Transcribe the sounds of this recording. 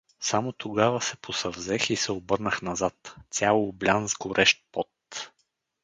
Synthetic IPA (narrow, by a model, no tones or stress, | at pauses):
samot̪oɡavəsɛpʰosɐvzɛxisɛobɤɾnəxnɐzat̪sʲalˠoːblʲanzɡoɾʔɛʃt̪̚pɔt̪